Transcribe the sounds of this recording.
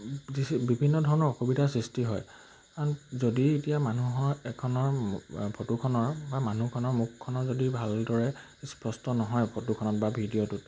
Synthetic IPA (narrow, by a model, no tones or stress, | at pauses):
ibibʱinːɔdʱɔɹɔnɔɹɔxubidʱasɹistiɦɔj | aɹzodietijamanuɦɔɛkʰɔnɔɹpʰotukʰɔnɔɹbamanukʰɔnɔɹmukʰːɔnɔɹzodibʱaldɔɹɛ | spɹɔstɔnɔɦɔjpʰotukʰɔnɔtbabʱidijɔtut